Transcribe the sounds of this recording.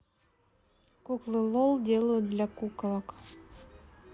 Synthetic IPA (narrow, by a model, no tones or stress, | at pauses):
kuklˠɨlˠolˠd̪ʲelˠud̪lʲakuklˠɑk